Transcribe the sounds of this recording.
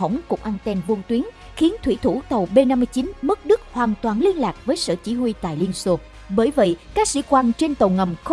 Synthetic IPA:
ə˧˩wŋ͡mkʊ̰˨˧˩k͡p̚ʔaː˧nt̪ɛ˧nvu˧ənt̪wi˨˦ən | xi˨˦ənt̪ʰwi˧˩t̪ʰu˧˩t̪ə˨˩wɓe˧na˧mːɨ˧əjt͡ɕi˨˦nmɨ˦˥k̚ɗɨ˦˥k̚hwaː˨˩nt̪waː˨˩nli˧ənlaː˨˩k̚vəː˨˦jsə̰ː˧˨t͡ɕi˧˦hwi˧t̪a̰ː˧˨jli˧ənso˧ | ɓəː˧˩jvə̰˧˨jkaː˦˥k̚sḭ˧˥˦kwa˧nt͡ɕe˧nt̪ə˨˩wŋə˨˩mx

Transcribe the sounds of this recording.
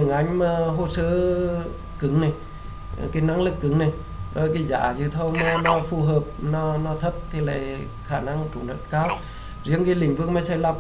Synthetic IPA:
ɨ˨ŋʔa˨˦jŋ̟maː˨˩ɦo˧˩səː˧˦ | kɨ˧˦ŋna˨˩j | ka˨˦na˨˦ŋlɨ˨˩kːɨ˨˦ŋna˨˩j | ɗɔ˧˦jki˧˦za̰ː˧˩zɨ˧˩t̪ʰo˧wnɔ˧˦nɔ˧˦fu˧˩ɦəː˨˩p̚nɔ˧˦nɔ˧˦t̪ʰə˦˥p̚t̪ʰi˨˩la̰ː˧˨j | xaː˧˩na˧ŋt͡ɕu˨˩˦ŋɗə̰˧˦t̚kaː˧˦w | zi˧˦ənki˨˦lï˧˩ŋ̟vɨ˧əŋ̚ma˧˦jsa˧˩jla˧˩p̚

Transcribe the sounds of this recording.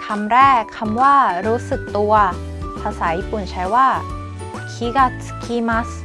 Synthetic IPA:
kʰamɾe˦kʰa˧mwa˥ɾo˦sɯ˨k̚t̪o˧wa˧ | pʰa˧sʰaipunt͡ɕʰa˧ɭwa | kʰi˧ɡa˥tʰɯ̥kʰi˦ma˦s

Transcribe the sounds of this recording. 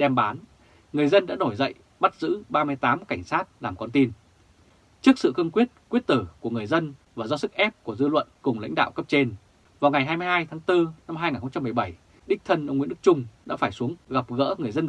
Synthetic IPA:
ɗɛ˧mɓaː˨˦n | ŋɨ˨˩əjzə˧nɗa̰ː˧˥no˧˩jzə̰˧˨j | ɓa˦˥t̚zɨ̰˧˥ɓaː˧mɨ˧əjt̪aː˨˦mka˧˩jŋ̟saː˦˥t̚laː˨˩mkɔ˧nt̪i˧n | t͡ɕɨ˦˥ək̚sɨ̰˧˨xɨ˧əŋkwi˦˥ət̚kwi˦˥ət̚t̪ɨ˧˩ku˧˩əŋɨ˨˩əjzə˧nvaː˨˩zɔ˧sɨ˦˥k̚ʔɛ˦˥p̚ku˧˩əzɨ˧lwə̰˧˨nkʊ˨˩ŋ͡mla̰˧˥jŋ̟ɗa̰ː˧˨wkə˦˥p̚t͡ɕe˧n | vaː˨˩wŋa˨˩jɦaː˧jmɨ˧jhaː˧jt̪ʰaː˨˦ŋt̪ɨ˧na˧mɦaː˧jŋaː˨˩nxə˧ŋ͡mt͡ɕa˧mɨ˨˩ə˩jɓa˧˩j | ɗï˦˥k̟̚t̪ʰə˧nʔə˧ŋ͡mŋḭ˧˥əɗɨ˦˥k̚t͡ɕʊ˧ŋ͡mɗa̰ː˧˥faː˧˩jsu˨˦əŋɣa˨˩p̚ɣə̰ː˧˥ŋ˨˩əjzə˧n

